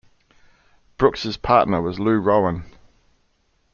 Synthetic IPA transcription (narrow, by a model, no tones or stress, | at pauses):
b̥ɹʊksəz̥pʰɑˑʔnəwɒzlʉːɹoʊə̃n